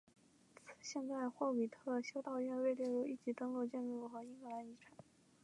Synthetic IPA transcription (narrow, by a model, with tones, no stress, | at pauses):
t͡s̩ʰ˨˩ɕjɛ˥˧nt͡sa˥˧ɪxwɔ˥˩wi˨˩t̪ʰɤ˥˩ɕjo˥ʊt̪ɑ˥˧ʊɥɛ˥˧nwe˥˧ɪljɛ˥˧ɻu˥˧i˥˩t͡ɕi˧˥t̪ɤ˥ŋlɔ˥˧ʊt͡ɕjɛ˥˧nɻu˥˩xɤ˧˥i˥ŋɡɤ˧˩la˧˥ni˧˥ʈ͡ʂʰa˨˩˦